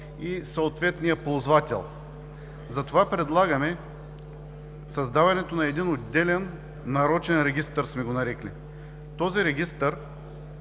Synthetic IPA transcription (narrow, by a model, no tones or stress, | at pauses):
isɐot̪vɛt̪nijəpozvat̪ʲɛ̰lˠ | zɐt̪ovapɾɛd̪lˠaɡɐmɛ | sɐzd̪avɐnɛt̪onɐɛd̪inod̪d̪ɛlɛnː | ɐɾɔt͡ʃɛnɾɛɡʲist̪ɐɾsmɛɡonɐɾɛkli | t̪ɔziɾɛɡʲist̪əɾ